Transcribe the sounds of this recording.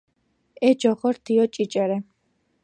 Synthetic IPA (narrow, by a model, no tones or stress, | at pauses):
ɛd͡ʒɔχɔɾt̪ʰiɔt͡ʃʼit͡ʃʼɛɾɛ